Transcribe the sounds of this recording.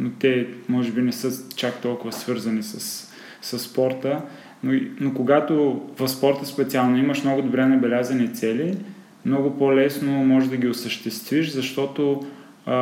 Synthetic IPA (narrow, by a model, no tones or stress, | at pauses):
not̪ɛmɔʒɛbinɛsɤt͡ʃak̚t̪ɔlˠkʊvɐsvɤɾzɐnisɐs | sɐsːpɔɾt̪ə | noinokʊɡat̪ovɐspɔɾt̪ɛspɛt̪sialˠnoiməʃmnɔɡʊd̪ʊbɾɛnɐbɛlʲazɐnit̪sɛli | mnɔɡʊpolɛsnomɔʒd̪ɐɡʲiʊsəʃt̪ɛst̪viʃzɐʃt̪ɔt̪o